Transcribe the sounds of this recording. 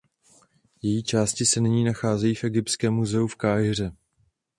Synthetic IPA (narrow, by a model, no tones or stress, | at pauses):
jɛjiːt͡ʃaːscɪsɛnɪɲiːnaxaːzɛjiːfʔɛɡɪpskɛːmːuzɛufkaːjɪr̝ɛ